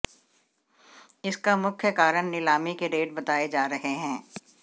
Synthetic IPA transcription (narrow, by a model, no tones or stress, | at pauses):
ɪskamʊkʰjəkaːɾəɳnɪlaːmikeɖeːʈ̚bɐt̪aːed͡ʒaːɾɐɦeɦɛ̃ː